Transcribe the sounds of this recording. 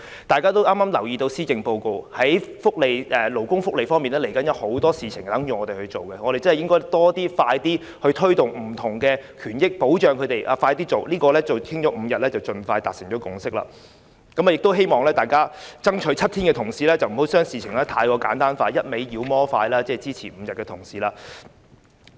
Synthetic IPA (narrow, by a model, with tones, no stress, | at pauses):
t̪aː˨jkaː˥t̪o˥wʔaː˥maː˥mlɐ˨˩wjiː˨˧t̪o˧wsiː˥kɪ˨ŋpo˧wko˨˧whɐ˨˥jfʊ˥k̚le˨˧jʔɛː˨˩lo˨˩wkʊ˥ŋfʊ˥k̚le˨jfɔː˥ŋmiː˨nɛ˥le˨˩jkɐ˨˥njɐ˨˧˥who˨˥wt̪ɔː˥siː˨t͡sʰɪ˨˩ŋt̪ɐ˨˥ŋjyː˨ŋɔː˨˧t̪e˨˩hɵ˧ɥt͡ʃo˨˩wkɛ˧ŋɔ˨˧ɾe˨jt͡sɐ˥hjɪ˥ŋkɔː˥jt̪ɔː˥t̪iː˥faː˧jt̪iː˥ | hɵ˧t̪ʰɵ˥ɥt̪ʊ˨˩ŋm̩˨˩t̪ʰʊ˨˩ŋkɛː˧kʰyː˨˩njɪ˥k̚po˨˥wt͡ʃœː˨˧ŋkʰɵ˨˧t̪e˨jʔa̰ː˨˧faː˧jt̪iː˥t͡so˨wliː˥kɔː˧lɛ˥t͡sɐ˨wkʰɪ˥ŋt͡ʃɔː˨˧˥m̩˨˧jɐ˨t̚lɛ˥t͡sɐ˨wt͡ʃɵ˨nfaː˧jt̪aː˨t̚sɪ˨˩ŋt͡ʃɔː˨˥kʊ˨˩ŋsɪ˥k̚la̰ː˧ | kɐ˨˥ma˨˧jɪ˨k̚t̪o˥wɦe˥jmɔː˨ŋlɛː˥t̪aː˨jkaː˥t͡sɐ˥ŋt͡ʃʰɵ˨˥jt͡sʰɐ˥t̪̚ʰiː˥nkɛ˧t̪ʰʊ˨˩ŋsiː˨˥lɛː˥t͡sɐ˨wm̩˨˩ho˨˥wsœː˥ŋsiː˨t͡sʰɪ˨˩ŋlɛː˦˥t̪ʰaː˧jkɔː˧kaː˨˥nt̪aː˥nfaː˧jɐ˥t̚me˨˥jjiː˨˧wmɔː˥faː˧jlaː˥t͡sɛː˥˩t͡siː˥t͡sʰiː˨˩m̩ː˨˧jɐ˨t̚kɛ˧t̪ʰʊ˨˩ŋsiː˨˥laː˧